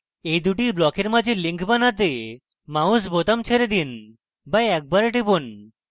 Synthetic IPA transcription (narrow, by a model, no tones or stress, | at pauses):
ejd̪uʈiblɔkeɾmad͡ʑʱeliŋkʰbanat̪e | maus̬bot̪amt͡ɕʰeɾed̪in | bajɛk̚baɾeʈibon